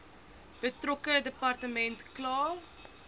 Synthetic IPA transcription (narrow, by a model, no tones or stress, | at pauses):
b̥ətrɔkədəpɐrtəmɛntklɑːr